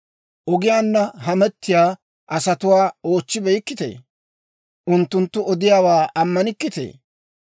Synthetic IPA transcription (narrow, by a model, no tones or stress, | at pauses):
ʔɔɡɪjaːnːɐɦɐmɛt̪ːɪjaː | ʔɐsɐt̪ʊwaːoːt͡ʃːɪbɛjkːɪt̪ḛː | ʔʊnt̪ːʊnt̪ːʊɔd̪ɪjaːwaːʔɐmːɐnɪkːɪt̪ḛː